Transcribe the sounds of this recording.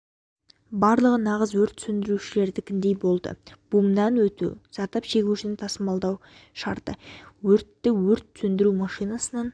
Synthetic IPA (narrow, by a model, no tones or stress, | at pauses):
bɑɾlˠəʁənɑʁəzwɵɾt̪ʰːsʏnd̪ɪɾuʃɪle̞ɾd̪ɪkʲʰɪnd̪e̞jbo̞lˠd̪ə̰b̥umd̪ɑnwɵt̪ṵsɑɾt̪ɑpʃe̞ɡʲɪʃɪnɪnt̪ʰɑsəmɑlˠd̪ɑwʃɑɾt̪ə̰wɵɾt̪ːɪwɵɾt̪sɵnd̪ɪɾumɑʃijnɑsənɑn